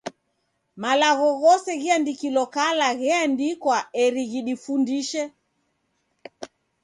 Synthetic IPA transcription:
malaɣɔɣɔsɛɣiandikilɔkalaɣɛandikwaɛɾiɣiɗifundiʃɛ

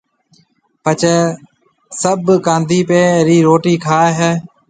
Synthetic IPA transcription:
pət͡ʃeː | səbkãːnd̪ʱiːpẽːɾiːɾoːʈiːkʰaːɦɛː

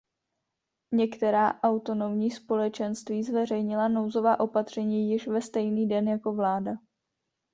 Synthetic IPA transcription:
ɲɛkt̪ɛɾaːʔawt̪o̞no̞mɲiːspo̞lɛt͡ʃɛnst̪viːzvɛrɛjɲɪlano̞wzo̞vaːʔo̞pat̪r̝̥ɛɲiːjɪʃvɛst̪ɛjniːdɛnjako̞vlaːda

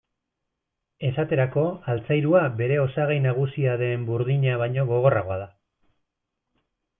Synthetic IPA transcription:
e̞sat̪e̞ɾako̞alt͡sajɾuabe̞ɾe̞o̞saɣajnaɣ̞usiaðe̞mbuɾðiɲaβ̞ajɲo̞ɣo̞ɣ̞o̞raɣ̞o̞að̞a

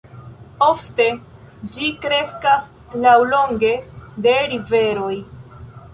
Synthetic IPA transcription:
o̞fte̞ | d͡ʒikɾe̞skas | lawlo̞ŋɡe̞de̞ɾive̞ɾo̞j

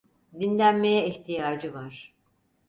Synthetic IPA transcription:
d̪inlʲænme̞jɛiçt̪ʰijaːd͡ʒɯvaɾ̥

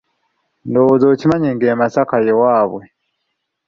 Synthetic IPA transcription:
ndowozoːcimaɲiːŋɡeːmasakajewaːβwe

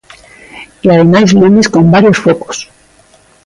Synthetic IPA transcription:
iaðemazlumisko̞mbaɾjo̞sfoko̥s

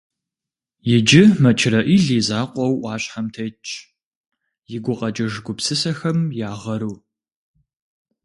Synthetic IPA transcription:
jɪd͡ʒɪmɐt͡ʃʰɪɾɐʔiːɮiːzaːqʷʼɔwʔʷɑːɕʼħɐmtʰɐt͡ʃʼ | jɪɡʷʊqʼɐd͡ʒɐʒɡʷʊpsɨsɐxɐmjaːʁɐɾuː

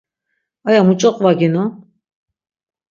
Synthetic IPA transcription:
ajamut͡ʃʼɔqʼvaɡinɔ

